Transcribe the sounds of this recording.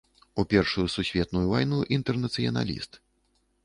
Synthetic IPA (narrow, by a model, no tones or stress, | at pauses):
upʲɛrʂujususʲvʲɛt̪nujuvajnuʔint̪ɛrnɐt̪sɨjɐ̰na̰lʲḭst̪